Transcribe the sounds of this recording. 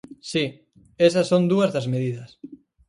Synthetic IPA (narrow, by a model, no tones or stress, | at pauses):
si | esɐsːond̪uɐzðɐzmeðiðɐs